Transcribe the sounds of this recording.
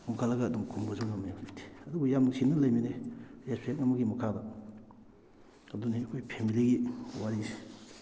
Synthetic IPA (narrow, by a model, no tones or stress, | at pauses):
nuŋkʰalːɐɡɐːduŋkʰumɡɐzawnamajaitʰi̥ɐd̪ubujamɐsinɐlɐjmineespʰek̚nɐmɐɡimɐkʰadɐ | ɐduniɐkʰojpʰemiliɡiwaɾisi̥